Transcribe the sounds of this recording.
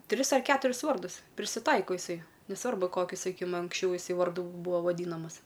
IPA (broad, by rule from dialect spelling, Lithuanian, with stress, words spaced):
ˈtʲrʲɪs ɐr ˈkʲæːtʊrʲɪs ˈʋɐrdʊs pʲrʲɪsʲɪˈtɐɪkoː ɪˈsɐɪ nʲɛˈsʋɐrbʊ ˈkoːkʲʊ sɐˈkʲiːkʲɪm ɐŋksʲˈt͡ʃʲɛʊ jɪˈsɐɪ ʋɐrˈdʊ ˈbuːɐ ʋɐˈdʲiːnɐmɐs